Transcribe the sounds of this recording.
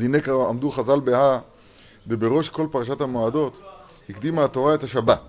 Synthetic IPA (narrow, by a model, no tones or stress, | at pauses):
d̪inekaʁamd̪uχazalbeha | vebe̞ʁo̞ʃko̞lpaʁaʃat̪hamoad̪o̞t̪ | hikd̪imat̪o̞ʁae̞t̪haʃabat